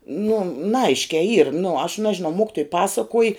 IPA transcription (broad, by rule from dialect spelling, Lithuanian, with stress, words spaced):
nʊ nɐˈɐɪʃʲkʲɛɪ iːr nʊ ɐʃ ˈnɑːʒʲɪnɐʊ ˈmoːkʲɪtoːj ˈpɑːsɐkuɔj